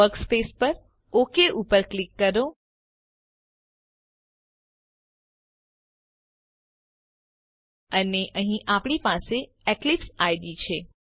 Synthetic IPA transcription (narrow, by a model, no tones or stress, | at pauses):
əɾkspespəɾ | okeʔupəɾklikːəɾõ | əneʔəɦĩʔapɳ̃ipase | eklipsajɖit͡ʃʰe